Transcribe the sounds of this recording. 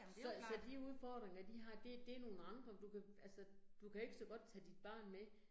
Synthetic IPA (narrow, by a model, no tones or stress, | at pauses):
sɒ̽sɒ̽d̥iuð̞ˠfɒd̥ʁeŋɐd̥iɦɑ̈d̥e̝d̥e̝æɐno̝ːn̩ɑ̈nd̥ʁɐd̥ukʰæælsəd̥ukʰæe̝ɡ̥əsɒ̽ɡ̥ɒ̽d̥̚t͡sʰɛ̰d̥id̥̚b̥ɑ̈ːnme